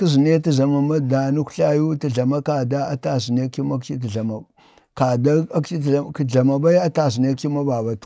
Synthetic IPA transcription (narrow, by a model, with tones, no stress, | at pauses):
ki˦zi˨ne˦ti˦za˨ma˨ma˦da˨nu˦kɬa˦ju˦ti˨ɮa˨ma˦ka˨da˦a˦ta˨s̬i˨ne˦ki˦ma˦kt͡ʃi˦t̬i˨ɮa˨ma˨ | ka˨da˦a˦kt͡ʃi˦˨ki˦˨ɮa˨ma˨ba˦i˦a˦ta˨s̬i˨ne˦ki˦ma˦ba˨ba˨t